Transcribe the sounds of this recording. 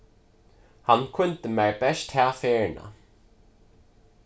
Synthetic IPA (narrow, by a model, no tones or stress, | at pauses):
hankʰʊnt̪əmɛɹbɛʂt̪haːfɛːɹna̰